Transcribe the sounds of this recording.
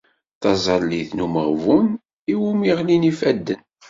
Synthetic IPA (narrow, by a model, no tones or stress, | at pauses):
θɑzˤɑlːiθnuməʁvun | iwumiʁlinifæd̪ːən